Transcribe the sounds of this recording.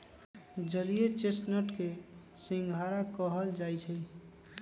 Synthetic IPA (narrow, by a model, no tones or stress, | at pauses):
d͡ʒəlijet͡ʃesnəʈke | sĩŋɡʱaɾakəɦəld͡ʒajt͡ʃʰɛ